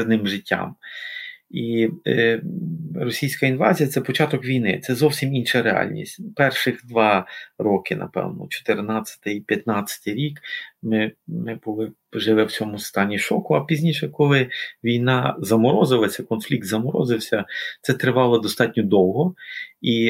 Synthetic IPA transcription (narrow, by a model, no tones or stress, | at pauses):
znɪmʒɪtʲːa̰m | i | ɾɔsʲijsʲkɐinʋɑzʲijɐt̪sɛpɔt͡ʃɑt̪ɔkʋʲijnɪ̰t̪sɛzɔwsʲiminʃɐɾeɑ̰lʲnʲḭsʲtʲpɛrʃɪxd̪ʋɑɾɔkɪnʔɐ̰pɛ̰wnɔ̰t͡ʃɔ̥t̪ɪrnɑt͡sʲːɐ̥t̪ɪipʲjɐt̪nɑt͡sʲːɐ̥t̪ɪjɾʲikmɪmɪbʊlˠɪ | ʒɪlˠɪwt͡sʲɔmʊst̪ɑnʲːiʃɔkʊɐpʲizʲnʲiʃɛkɔlˠɪʋʲijnɑzɐmɔɾɔzɪlˠɐsʲɐkɔnflʲik̚t̪zɐmɔɾɔ̰zɪwsʲɐt̪sɛt̪ɾɪʋɑlˠɐd̪ɔst̪ɑtʲnʲɔd̪ɔwɦɔi